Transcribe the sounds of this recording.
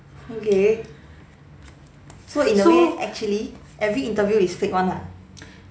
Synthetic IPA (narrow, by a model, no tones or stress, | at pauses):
oke | soĩndəoeɛk̚t͡ʃuəli | ʔɛvɹiĩntəvjuisfek̚wãna